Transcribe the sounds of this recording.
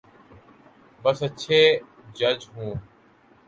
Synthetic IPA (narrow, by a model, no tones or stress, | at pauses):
bəsəʃʰeː | d͡ʒəd͡ʒɦũː